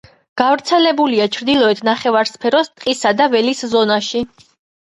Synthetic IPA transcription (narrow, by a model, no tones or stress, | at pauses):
ɡ̥avɾt̪sʰɛlɛbuliat͡ʃʰɾd̪ilˠɔɛt̪ʰnaχɛvaɾspʰɛɾɔst̪ʼqʼisad̪avɛliszɔnaʃi